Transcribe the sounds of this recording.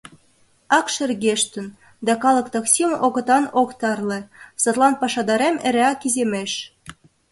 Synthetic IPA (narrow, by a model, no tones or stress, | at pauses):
ɑkʃĕrɣeʃt̪ə̆n | d̪ɑkɑlˠɤ̆kt̪oksʲimʔoɣə̆t̪ɑnokt̪ɑrlĕsɑt̪lˠɑnpɑʃɑd̪ɑɾemeɾeɑkizemeʃ